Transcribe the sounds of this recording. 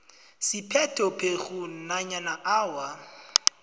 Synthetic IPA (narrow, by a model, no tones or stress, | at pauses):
sipʰɛtʰʼɔpʰeɣun̩naɲanaʔaːwa